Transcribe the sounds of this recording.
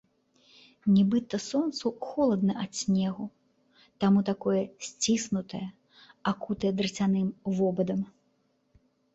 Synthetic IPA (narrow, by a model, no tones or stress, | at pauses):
nʲɛbɨt̪ɐsɔnt̪suxɔlˠɐd̪̚nɐat̪sʲnʲɛɣu | t̪amut̪akɔjɐsʲt͡sʲisnut̪ɐjɐ | akut̪ɐjɐd̪ɾɨt͡sʲanɨmvɔbɐd̪ɐm